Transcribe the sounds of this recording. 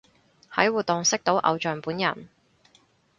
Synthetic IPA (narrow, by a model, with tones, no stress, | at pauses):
hɐ˨˥jwuː˨t̪̚o˨ŋsɪ˥k̚t̪o˨˥wʔɐ̰˨˧wt͡ʃœː˨˩ŋpuː˨˥njɐ̰˨˩n